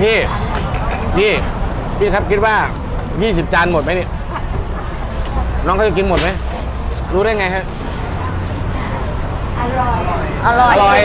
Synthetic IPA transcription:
t̪ʰiː˧˩ | t̪ʰiː˧˩ | tʰiː˧˥˩kʰa˦˥p̚kʰi˧˥t̪̚waː˧˥˩ | jiː˥˩s̬i˨˩p̚t͡ɕaː˧nmo˨˩t̪̚ma˦˥jni˧˩˨ | nɔ˧˦˥ŋʰka˥˩t͡ɕki˧nmo˨˩t̪̚ma˦˥j | ɾuː˦˥ɾa˥˩jŋa˧jkʰa˦˥˩j | ʔa˧˩lɔ˨˩lɔː˧˩

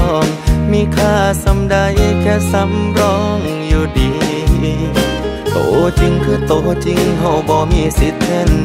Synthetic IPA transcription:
ŋmiː˧˨kʰaː˧˩sa˨˦mdaː˧jʔa˧˩kʰɛː˧˥sa˧˦mɾɔː˧˥ŋ | juː˧˩diː˨˦ | ʔo̰ː˧˨˦t͡ɕi˧ŋkʰɯː˧˥˩t̪oː˧˩t͡ɕi˧ŋɦa˧˩wbɔː˧˦miː˧˩˨si˨˦˥t̪̚ʰːe˧˥˨n

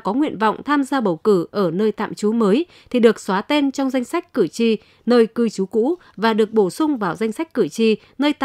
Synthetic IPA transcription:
kɔ˨˦ŋwḭ˧˨ənvɔ̰˧˨wŋ͡mt̪ʰaː˧mzaː˧ɓə˨˩wkɨ˧˩ʔəː˧˩nəː˧jt̪a̰ː˧˨mt͡ɕu˨˦məː˨˦j | t̪ʰi˨˩ɗɨ˨˩ək̚swaː˨˦t̪e˧nt͡ɕɔ˧wŋ͡mza˧jŋ̟sa˦˥jk̟̚kɨ˧˩t͡ɕi˧˩ | nəː˧jkɨ˧jt͡ɕu˨˦kṵ˧˥ | vaː˨˩ɗɨ˨˩ək̚ɓo˧˩sʊ˧ŋ͡mvaː˨˩wza˧jŋ̟sa˦˥jk̟̚kɨ˧˩t͡ɕi˧˩ | nəː˧jt̪

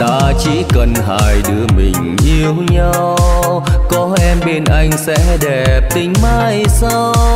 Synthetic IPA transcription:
t̪a̰ː˧t͡ɕḭ˧˥kə˧˩nɦa̰ː˧˨˩jɗɨ˨˧˦əmï˨˩ŋ̟ɲi˧əwɲa˧w | kɔ˨˦ʔɛ˧mɓe˧nʔa˧jŋ̟sɛ̰˧˥ɗɛ˨˩p̚t̪ï˨˦ŋ̟maː˧jsa˧w

